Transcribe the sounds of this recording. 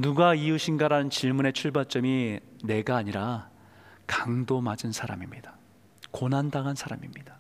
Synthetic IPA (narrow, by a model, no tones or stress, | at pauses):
nuɡaiuɕʰinɡaɾanɯnt͡ɕiɭmune̞t͡ɕʰuɭbat͡ɕ͈ʌmine̞ɡaːɲiɾa | kaŋdomad͡ʑɯnsʰaɾa̰mimɲid̥ḁ | konɦandaɡansʰaɾamimɲid̥ḁ